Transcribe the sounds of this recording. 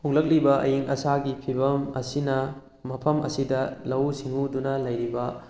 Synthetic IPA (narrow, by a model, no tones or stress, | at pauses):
huŋlɐk̚libɐʔɐ̰jiŋɐsaɡipʰibɐmɐ̰sinɐ | mɐpʰɐmɐ̰sidɐlɐwsiŋudunɐlɐjɾibɐ